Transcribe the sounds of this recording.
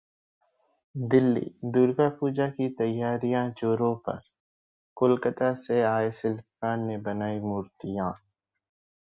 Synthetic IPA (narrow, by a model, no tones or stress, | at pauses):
d̪ɪlːḭːd̪uːɾɡapuːd͡ʒakit̪ɐjːaːɾijãd͡ʒoːɾõpɐ̰ɾ | kʊlkət̪aseaːesɪl | ãːnnebɐnaːimʊːɾt̪ɪjãː